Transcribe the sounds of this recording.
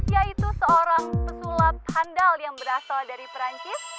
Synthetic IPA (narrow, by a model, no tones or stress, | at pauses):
siait̪usəoɾaŋpəsulat̪̚handaljaŋbəɾasaldaɾipəɾaɲt͡ʃɪs